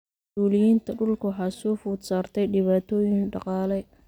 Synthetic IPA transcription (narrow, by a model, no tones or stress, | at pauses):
mʊsuːlɪjiːnt̪ʰɐɖʊlkʰʊwħɑːsɔːfʊːd̪saːrt̪ʰɛjɖɪβaːt̪ʰɔːjɪŋɖɑqɑːlɛ